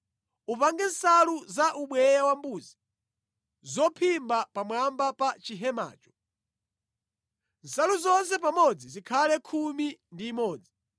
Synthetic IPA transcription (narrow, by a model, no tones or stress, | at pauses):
upaŋɡɛnsaluzaʔuɓwɛjawambuːzi | zɔpʰimbapamwambapat͡ʃiɦɛma̰ːt͡ʃɔ̥ | n̩saluzɔns̬ɛp̬amɔd͡zizikʰalɛkʰumindiːmɔːd͡zi